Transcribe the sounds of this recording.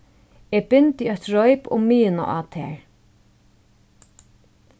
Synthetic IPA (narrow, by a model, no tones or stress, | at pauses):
ɛbɪnt̪ɪœht̪ɹɔjpʊ̰mːiːɪna̰ʔa̰ːt̪ʰɛ̰ːɹ